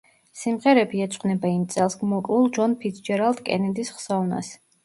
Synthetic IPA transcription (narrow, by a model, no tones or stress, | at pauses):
simʁɛɾɛbiɛt̪sʼqʼnɛbaimt̪sʼɛlˠsɡmɔkʼlulˠd͡ʒɔnpʰit̪sʰd͡ʒɛɾalˠd̪kʼɛ̰nid̪isχsɔuna̰s